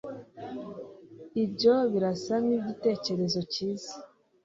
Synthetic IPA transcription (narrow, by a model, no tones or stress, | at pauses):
ibɟo̞βiɾasaniɟite̞ːce̞ɾe̞zo̞ciːzi̥